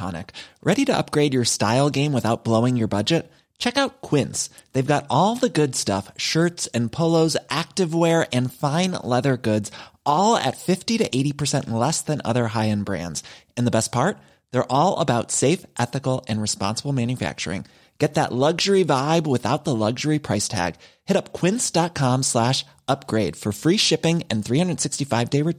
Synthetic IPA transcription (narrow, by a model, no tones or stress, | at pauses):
ɑ̰nɨ̰kɹʔɛɾiɾɨʌ̰p̚ɡ̥ɹeɪd͡ʒjə˞staɪlˠɡẽɪ̃mwɨθaʊt̚b̥loʊɪ̃ŋjə˞bʌd͡ʒɨt̚ | t͡ʃʰɛkaʊt̚kʰw̥ɪ̃ns | ðeɪvɡɑɾɔlˠðɨɡʊdstʌfʃɜ˞tsɨ̃npʰoʊlˠoʊzʔæk̚tɨvwɛɹɨ̃nfãɪ̃nlɛðə˞ɡʊdz̥ʔɔlˠɨ̰tfɪftiɾɨʔeɪɾipʰə˞sɛ̃nʔlɛsðɨ̃nʌ̰ðə˞ɦaɪɨ̃nbɹæ̰̃ndz̥ɨ̃nðəbɛspʰɑɹt̪̚ | ðə˞ʔɔlˠə̰baʊtseɪfʔɛθɨkl̩ˠɨ̃nɹɨspɑ̰̃nsəbl̩ˠmæ̃njɨfæ̰k̚t͡ʃə̰˞ɪ̰̃ŋ | ɡ̥ɛt̪̚ðə̰ʔˡlʌɡʒə˞ivaɪbwɨθaʊt̪̚ðəlʌɡʒə˞ipʰɹ̥aɪstʰæ̰ɡ̥ | hɛɾʌpkʰw̥ɪ̃nsd̥ɑt̚kʰɑ̃mslæʃ | ʌp̚ɡ̥ɹeɪd̥fə˞fɹiʃɪpɪ̃ŋɨ̃nθɹihʌ̃ndɹəd̥sɪkstifaɪvdeɪɹə